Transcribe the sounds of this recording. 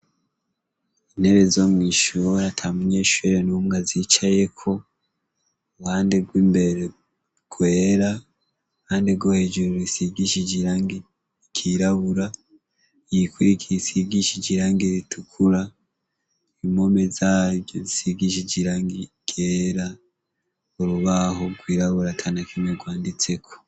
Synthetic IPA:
in̥heβezomŋiːʃuɾatʰamuɲeʃuɾenumɡazit͡ʃaje̞kʰo̞ | βhaːndeɡwiːmbe̞ɾe | ɡ̥weːɾa | haːndeɡohed͡ʒuɾoɾisiɡiʃiɟiɾaŋɡi | ikʰiɾaβuɾa | jikuɾikʰisiɡiʃid͡ʒiɾaːŋɡiɾitʰukʰuɾa | imo̞me̞zaːβjozisiɡiʃ̬iɟiɾaːŋɡiɡ̥eːɾa | oɾuβaɦo̞ɡwiːɾaβuɾatʰanakʰineɡwaːndit͡se̞kʰo̞̥

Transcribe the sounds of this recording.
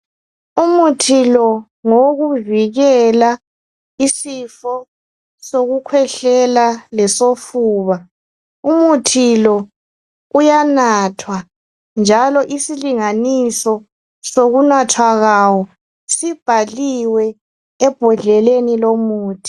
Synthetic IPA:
umutʰilɔ | ŋoɣuviɣɛla | isifɔ | soɣukʰwɛɬɛlalɛsofuːβa | umutʰilɔ | ujanatʰwa | nd͡ʒʱalɔʔisiliŋanisɔ | soɣunatʰwaɣawɔ | sib̥ʱaliwɛ | ɛb̥ʱɔɮɛlenilomuːtʰi̥

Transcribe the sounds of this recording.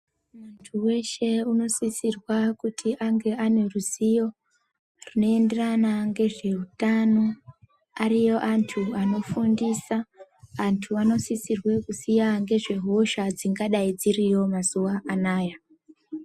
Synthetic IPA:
muntʰuwe̞ʃe̞uno̞sisirwakutʰiʔaŋɡe̞ʔane̞ruzijo̞ | rino̞e̞nde̞ranaŋɡe̞ʐe̞utano̞ | arijo̞ʔantʰuano̞fundisaː | ntʰuano̞sisirwe̞kusijaŋɡe̞ʐe̞ɦo̞ʃad͡ziŋɡaɗaid͡zirijo̞mazuwaːnaːja

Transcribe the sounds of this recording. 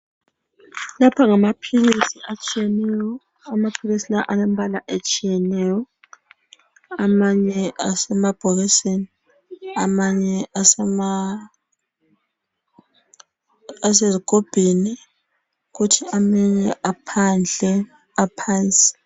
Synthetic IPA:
lapʰaŋamapʰiɣisiat͡ʃʼijɛnɛjɔ | amapʰiɣisilaʔalɛmbʱalaʔet͡ʃʼijɛnɛjɔ | amaɲɛasɛmab̥ʱɔɣiseni | amaɲɛasɛma | as̬eziɡ̥ʱob̥ʱini | ɣutʰiamɛɲɛʔapʰand͡ɮʱɛ | apʰajisi̥

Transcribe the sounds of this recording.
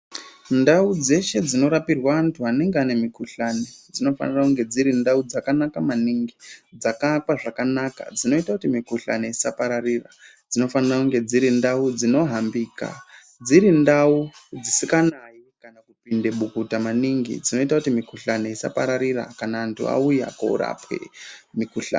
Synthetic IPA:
ndaud͡ze̞ʃe̞d͡zino̞ɾapirwaːntʰuɦane̞ŋɡeane̞mikuɬaned͡zino̞fa̰nirakuŋɡe̞d͡ziɾindaud͡zakanakamaniŋɡid͡zakakwaʐakanaka̰d͡zino̞itakutimikuɬa̰neisapaɾarira | d͡zino̞fanirakuŋɡe̞d͡ziɾindaud͡zino̞ɦambiːka̰ | d͡ziɾindaud͡zisikanaikanakupinde̞ɓukutamaniŋɡḭd͡zino̞itakutimikuɬane̞isa̰pa̰ɾaɾira̰kanaːntʰṵa̰ujaka̰ṵra̰pwḛmikuɬa̰ːn

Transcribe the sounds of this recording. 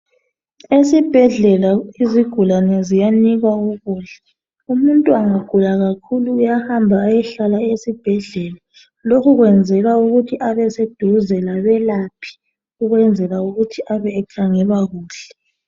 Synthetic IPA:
esib̥ʱɛɮɛlaiziɡ̥ʱulanɛzijaniɣwauɣuːɬɛ̥ | umuntʼuaŋaɡ̥ʱulaɣakʰuluːjahambʱaːjɛɬalaesib̥ʱɛɮɛla | lokʰuɣwɛnd͡zʱɛɣauɣutʰiʔaβɛsed̥ʱuzɛlaβɛlapʰi̥ | uɣwɛnd͡zʱɛɣauɣutʰiʔaβɛːkʰaŋɛβaɣuːɬɛ̥

